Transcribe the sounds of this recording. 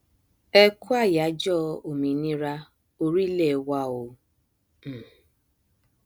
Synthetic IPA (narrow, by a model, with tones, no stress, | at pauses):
ɛ˦ku˦a˦˨ja˨˦d͡ʒɔ˦˨o˨mĩ˨nĩ˦ɾa˧ | o˧ɾi˦le˦˨wa˦o˨